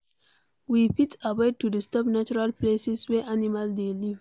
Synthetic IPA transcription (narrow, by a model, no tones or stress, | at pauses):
wipitabɔd̚tudistɔpnat͡ʃɔɹalplesiswɛʔanimaldeliv